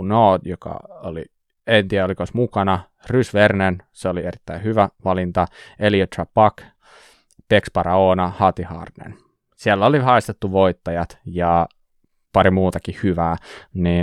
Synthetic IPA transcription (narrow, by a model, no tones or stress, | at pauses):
noːdjokɑ̰olḭ | ent̪iæolikosmukɑnɑ | rysʋernenseolieɾit̪ːæihyʋæʋɑlint̪ɑeliot̪rɑpɑk | pekspɑɾɑoːnɑhɑt̪ihɑ̰rnḛn | sielːæolihɑest̪et̪ːuʋoit̪ːɑjɑt̪jɑ | pɑɾimuːt̪ɑkihyʋæːniː